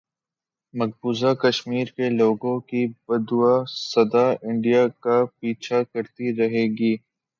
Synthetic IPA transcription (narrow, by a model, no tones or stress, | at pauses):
mɐɡ̚buːzakɐʃmiːɾkeloːɡõkibɐd̪uwasɐd̪aɪ̃ɳɖijakapiːt͡ʃʰakɐɾt̪iɾɐɦeːɡiː